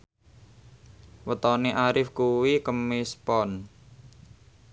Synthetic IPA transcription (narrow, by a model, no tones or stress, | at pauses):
wət̪ɔneʔaɾɪfkuwikəmispɔn